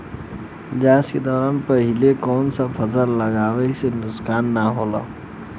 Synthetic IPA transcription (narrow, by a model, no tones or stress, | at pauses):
d͡ʒãsked̪ɔɾanpəɦilekɔːnsəpʰəsəlːəɡaːwɛsenʊskaːnːaɦola̰